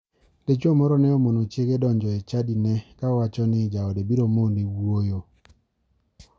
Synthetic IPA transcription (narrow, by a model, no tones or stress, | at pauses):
let͡ʃomɔɾɔnɛɔmonot͡ʃjeɡedɔɲd͡ʒɔet͡ʃadinɛkawat͡ʃɔnɪd͡ʒaɔdebiɾomoniwojo